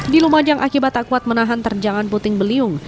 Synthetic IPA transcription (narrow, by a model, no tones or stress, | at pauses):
dilumad͡ʒaŋʔakibat̪ːaʔkuat̪̚mənaɦant̪ərd͡ʒaŋanput̪ɪŋbəliʊŋ